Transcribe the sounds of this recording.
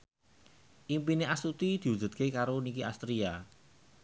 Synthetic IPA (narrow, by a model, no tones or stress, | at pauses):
ʔimpineʔasut̪id̪̥i̤u̥d͡ʒ̥ṳd̪̚kekaɾonikiast̪ɾia